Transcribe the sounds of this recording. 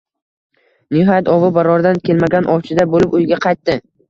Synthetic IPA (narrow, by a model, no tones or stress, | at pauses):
nʊɦajat̪ɒvɪbaɾɒɾd̪ankʲe̞lmaɡʲanʔɒwt͡ʃʰɪd̪abolɪpʊjɡʲaqʰɑjt̪ːɪ